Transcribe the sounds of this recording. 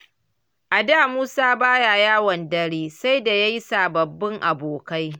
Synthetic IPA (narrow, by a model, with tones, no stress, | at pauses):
ʔa˨daː˦˨muː˦saː˦baː˦ja˨jaː˦wɐ˨ndɐ˦ɽiː˦sa˦jda˨ja˦ji˦saː˨bɐ˨bːɪ˦ŋʔa˨boː˨ka˦j